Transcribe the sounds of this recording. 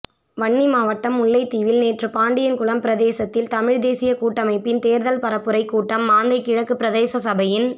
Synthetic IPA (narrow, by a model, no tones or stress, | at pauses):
ʋɐɳːimaːʋɐʈːɐmʊɭːɐɪt̪ːiːʋɪlneːʈrɯpaːɳɖɪjɐnkʊɭɐmpɪɾɐðeːsɐt̪ːɪlt̪ɐmɪɻd̪eːsɪjɐkuːʈːɐmɐɪpːɪnt̪eːɾðɐlpɐɾɐpːɯɾɐɪkːuːʈːɐmːaːnd̪ɐɪkːɪɻɐkːɯpːɪɾɐðeːsɐsɐbɐjɪn